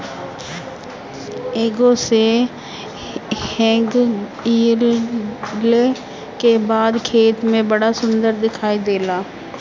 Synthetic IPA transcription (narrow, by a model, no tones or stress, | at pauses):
eːɡose | hɛ̃ːɡiːl | l | kebaːd̪kʰeːt̪mẽbəɽasʊ̃nd̪əɾd̪ɪkʰaːid̪eːlaː